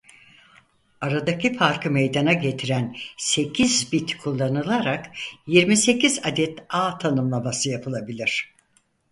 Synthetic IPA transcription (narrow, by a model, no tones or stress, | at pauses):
aɾad̪acifaɾkɯmejd̪anaɟe̞t̪ʰiɾænse̞cʰizbit̪kʰulˠːanɯlˠaɾakjiɾmise̞cʰizad̪ɛt̪aːt̪ʰanɯmlˠamasɯjapʰɯlˠabilʲiɾ̝̥